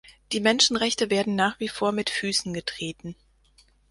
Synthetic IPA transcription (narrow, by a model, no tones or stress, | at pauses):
d̥iːmɛnʃn̩ʁɛçtəveːɐdn̩naːχv̥iːfoːɐmɪtfyːsn̩ɡətʁ̥eːtn̩